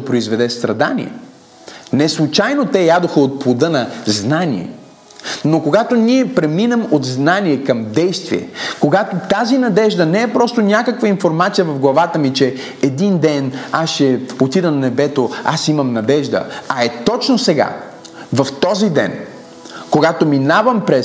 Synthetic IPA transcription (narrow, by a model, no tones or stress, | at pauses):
opɾoizvɛd̪ɛst̪ɾɐd̪a̰nḭɛ̰ | nɛslˠut͡ʃajnot̪ɛjad̪oxəot̪̚plˠod̪ɤnɐznanḭɛ̰ | nokoɡat̪oniɛpɾɛminɛmot̪znaniɛkɐmd̪ɛjst̪vḭɛ̰koɡat̪ot̪azinɐd̪ɛʒd̪ənɛɛpɾɔst̪onʲakəkvəinfoɾmat̪sijəvɐvɡlˠɐvat̪əmit͡ʃɛ | ɛd̪ind̪ɛnasʃɛot̪id̪ənɐnɛbɛt̪oa̰simɐmnɐd̪ɛʒd̪ə̰ɐɛt̪ɔt͡ʃnosɛɡa̰ | vɐft̪ɔzid̪ɛ̰n | koɡat̪ominavɐmpɾɛ